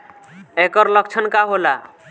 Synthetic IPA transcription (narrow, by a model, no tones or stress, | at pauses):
ekɔɾlʌk̚t͡ʃʰʌnkaɦola